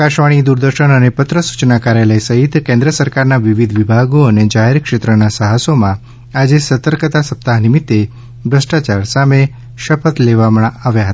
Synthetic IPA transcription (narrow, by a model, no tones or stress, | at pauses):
kaʃʋaɽ̃id̪uɾd̪əɾʃəɳənepət̪ɾəsu̥t͡ʃnakaɾjaləjsəɦit̪kẽnd̪ɾəsəɾkaɾnaʋiʋid̪ʱʋibʱaɡoəned͡ʒaɦeɾkʃet̪ɾənasəɦasomã | ad͡ʒesət̪əɾkət̪asəp̚t̪aɦnɪmit̪ːe | bɾəsʈat͡ʃaɾsame | ʃəpət̪leʋaməɳaʋjaɦət̪a